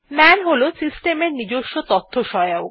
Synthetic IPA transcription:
mɛnɦolosisʈemeɾnid͡ʑoʃːot̪ɔt̪ʰːoʃɔjoo

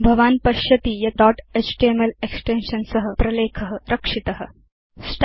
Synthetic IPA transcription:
bʱɐʋaːnpɐʃjɐt̪ijɐt̪ɔːʈesʈeːmɐleksʈenʃɐnsɐɦɐpɾɐleːkʰɐɦɐɾɐkʂit̪ɐɦɐ̆ | sʈ

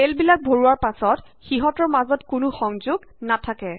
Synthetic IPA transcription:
telbilak̚bʱoɹuwaɹpasɔt | xiɦɔtɔɹmazɔtkʊnʊxɔŋzʊɡ | natʰakɛ

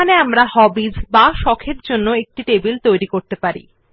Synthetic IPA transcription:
aneamɾahɔbid͡ʑbaʃɔkʰeɾd͡ʑonːoek̚ʈiʈebilt̪ojɾikoɾt̪epaɾḭ

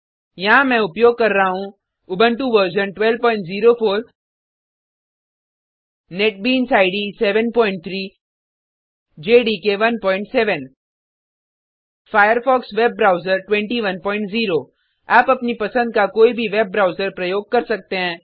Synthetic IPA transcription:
jɐɦãmɛ̃ʊpjoːɡ̚kɐɾːaaɦũ | ʊbʱəɳʈuʋəɾʃənʈwɛl̚pɔːɪ̃ɳʈziːɾopʰoːɾ | neʈ̚biːnsaːɪɖisɛːʋənpɔːɪ̃ɳʈ̚t̪ʰɾiː | d͡ʒeːɖikeʋɐnpɔːɪ̃ɳʈsɛːʋən | faːjəɾfɔːksʋeːb̚ːɾaːʊzəɾʈwɛ̃ɳʈiʋɐnpɔːɪ̃ɳʈziːɾoː | aːpɐpnipɐsə̃nd̪̚kakoːibʱiʋeːb̚ːɾaːʊzəɾpɾɐjoːɡ̚kɐɾsɐk̚t̪eɦɛ̃ː

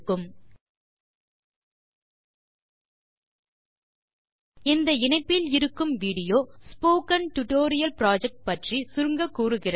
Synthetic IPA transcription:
kːɯm | ɪnd̪ɐɪɳɐɪpːɪlɪɾɯkːɯmʋiːɽɪjoːspoːkɐnʈʊʈoːɾɪjɐlpɪɾaːd͡ʒɛk̚ʈ̚pɐʈrisʊɾŋɡɐkːuːɾɯɣɪrɐ

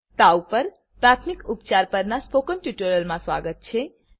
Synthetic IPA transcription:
t̪awpəɾ | pɾat̪ʰmikupt͡ʃaɾpəɾnaspokənʈiʈuɾəlmãswaɡət̪̚t͡ʃʰe

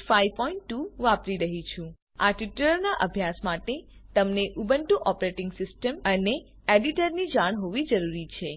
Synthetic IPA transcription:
faipɔiɳʈːuʋapɾiɾəɦit͡ʃʰũ | aʈiʈuləɾnaʔəbʱjasmaʈet̪əmneʔubəɳʈũʔɔpɾeʈɪ̃ŋɡsɪsʈəməne | eɖiʈəɾnid͡ʒaɳ̃ɦoʋid͡ʒəɾuɾit͡ʃʰe

